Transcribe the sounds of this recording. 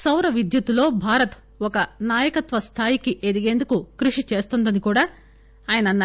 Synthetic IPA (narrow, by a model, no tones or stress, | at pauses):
sɐwɾɐʋid̪jut̪ulo̞ːbʱaːɾɐt̪ | ɔkɐnaːjɐkɐt̪ʋɐst̪ʰaːjikiʔed̪iɡe̞ːnd̪ukukɾuʂit͡ʃe̞ːst̪und̪ɐnikuːɽaː | aːjɐnɐnːɐ